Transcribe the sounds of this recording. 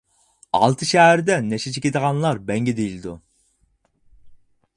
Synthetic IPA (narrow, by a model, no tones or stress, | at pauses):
ɑ̰lˠt̪ʰɯʃɛɦæɾd̪ɛnɛʃɛt͡ʃʰekʲed̪əʁɑnlˠɑɾbɛŋɡʲɛd̪ejilʲɪd̪u